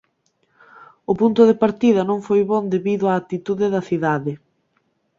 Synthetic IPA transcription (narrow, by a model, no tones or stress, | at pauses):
ʊpunt̪ʊðepaɾt̪iðɐnõŋfojβond̪eβiðʊaːt̪it̪uðɪðɐθiðaðɪ